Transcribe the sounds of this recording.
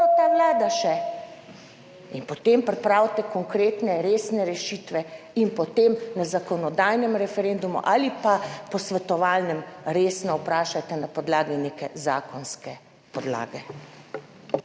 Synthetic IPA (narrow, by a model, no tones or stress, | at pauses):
ot̪aʋlaːd̪aʃɛ | inpɔt̪empɾɛpɾaːwt̪ɛkɔŋkɾeːt̪nɛɾeːsnɛɾɛʃiːt̪ʋɛ | inpɔt̪emnazakɔnɔd̪aːjnɛmɾɛfɛɾend̪umṵʔaːlipapɔsʋɛt̪ɔʋaːlnɛmɾeːsnɔupɾaːʃat̪ɛnapɔd̪laːɡineːkɛzaːkɔnskɛ | pɔd̪la̰ːɡɛ